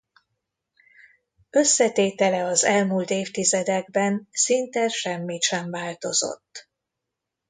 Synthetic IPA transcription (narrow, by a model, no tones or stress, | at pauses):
ø̞sːɛt̪eːt̪ɛlɛɒzɛlmult̪eːft̪izɛd̪ɛɡbɛnsint̪ɛʃɛmːit̪ʃɛɱvaːlt̪o̞zo̞̰t̪ː